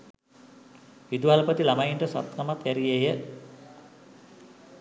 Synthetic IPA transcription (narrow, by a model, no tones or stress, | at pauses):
ʋid̪ualpət̪ilamajiɳʈəsa̰t̪kamat̪kæɾijejə